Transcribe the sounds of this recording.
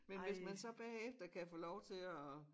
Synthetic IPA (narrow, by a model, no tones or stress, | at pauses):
menʋe̝smænsɒ̽b̥ehɛefd̥ɐkʰæfɔlɒʊt͡sʰe̝lɒ